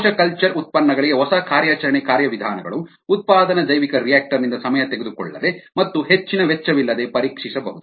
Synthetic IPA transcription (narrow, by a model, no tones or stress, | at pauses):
ʃɐkɐlt͡ʃɐɾut̪̚pɐnːɐɡɐɭiɡeɦɔsɐkʰaːɾjaːt͡ʃɐɾɐɳekaːɾjɐʋid̪ʱaːnɐɡɐ̰ɭuː | t̪̚paːd̪ɐnɐd͡ʒ̪ɐjʋikɐɾijaːk̚ʈɐɾnind̪ɐsɐmɐjɐt̪eɡe̞d̪ukɔ̰ɭːɐ̰d̪e̞mɐt̪ːuɦe̞t͡ʃːinɐʋet͡ʃːɐʋilːɐd̪e̞pɐɾiːkʂisɐbɐ̰ɦud̪uu